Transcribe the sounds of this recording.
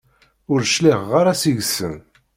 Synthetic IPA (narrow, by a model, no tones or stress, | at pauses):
ʊɾʃliʁːaɾasiʝsə̰n